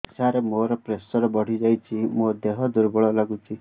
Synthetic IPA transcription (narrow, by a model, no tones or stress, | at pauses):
saɾemoɾɔpɾesɔɾɔbɔɽ̤id͡ʒajt͡ʃʰimod̪eɦɔd̪uɾbɔɭɔlaɡut͡ʃʰi